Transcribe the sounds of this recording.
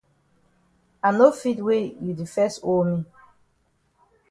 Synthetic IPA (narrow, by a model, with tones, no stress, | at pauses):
a˨no˦fi˦twe˦ju˨di˨fɛ˦sto˦lmi˦